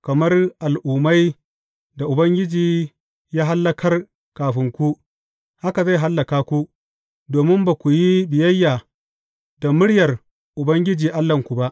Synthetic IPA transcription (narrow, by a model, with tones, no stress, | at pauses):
kɐ˨mɐ˦rʔa˨lʔʊː˨ma˦j | da˨ʔʊ˨bɐ˦ŋɡʲɪ˦d͡ʒiː˨ | jaː˦ɦa˦lːɐ˦kʰɐ˦r | kaː˨ɸɪ˦ŋkʷu˦ | ha˦ka˨za˦˨jɦa˦lːɐ˨kaː˦kʷu˦ | doː˨mɪ˦mbaː˨kʷu˨ji˦bɪ˨jɐ˦jːaː˨ | da˨mʊ˦ɽjɐ˨r | ʔʊ˨bɐ˦ŋɡʲɪ˦d͡ʒiː˨ʔa˦lːɐ˨ŋkʷu˨ba˦ʔ